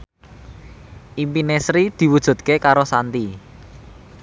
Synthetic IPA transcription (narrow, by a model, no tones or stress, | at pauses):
ʔimpinesɾid̪̥i̤wud̥ʒ̥ṳt̪̚kekaɾosant̪i